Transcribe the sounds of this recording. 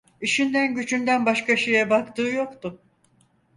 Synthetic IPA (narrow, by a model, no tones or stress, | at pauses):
iʃind̪ænɟyd͡ʒynd̪ænbaʃkaʃɯjabakt̪ɯːjo̞kt̪ʊ